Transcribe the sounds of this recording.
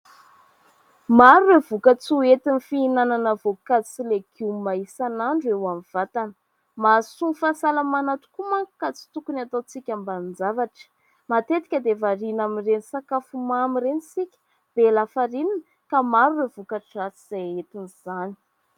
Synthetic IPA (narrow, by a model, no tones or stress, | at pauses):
maɾuwevukat͡suet̪inifiinananəvokat͡sileɡumaisanaɳɖ͡ʐuewamiv̥at̪anə | masunfasalamanat̪u̥kumaku̥kːat͡si̥t̪ukunat̪ot͡sikʲambannd͡zavaʈ͡ʂə̥ | mat̪et̪i̥kʲəd̪evaɾinamirenisakafumamirenisikʲə̥ | b̥elafaɾininə | kamaɾuwevukaʈ͡ʂat͡siz̥ajet̪iniz̥ani̥